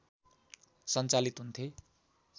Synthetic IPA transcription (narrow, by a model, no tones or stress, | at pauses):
sʌnt͡salit̪ɦunt̪ʰe